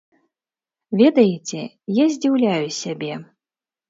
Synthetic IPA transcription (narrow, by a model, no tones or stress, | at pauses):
vʲɛd̪ɐjet͡sʲɛ | jazʲd͡zʲiwlʲajusʲabʲɛ